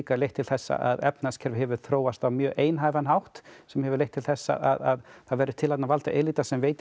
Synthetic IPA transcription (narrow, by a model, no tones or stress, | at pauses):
kalejht̪ʰːɪlθɛsːa̰ʔa̰ðɛpnascʰɛɾvʏhɛvʏɾ̥θɾoːwast̪avmjœːʔeːjnɦaːjvanɦawht̪sɛmhɛvʏɾlejht̪ʰːɪlθɛsːa̰a̰ðaðθaðvɛːɾʏɾt̪ʰɪlat̪navalt̪a̰ʔeliːt̪asɛmveːjt̪